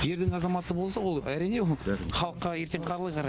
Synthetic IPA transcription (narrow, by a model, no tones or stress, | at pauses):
je̞ɾd̪ɪŋɑzɑmɑt̪əbolˠs̬ɑwolˠæɾijne̞woχɑlˠəqːɑje̞ɾt̪eɴqʰɑɾlˠəjqʰɑɾɑj